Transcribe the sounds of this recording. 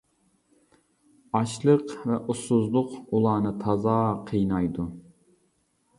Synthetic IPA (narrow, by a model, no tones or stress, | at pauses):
ɑʃlˠəqvɛʔusʊzlˠʊqulˠɑːnɨt̪ʰɑzɑːqʰəjnɑjd̪u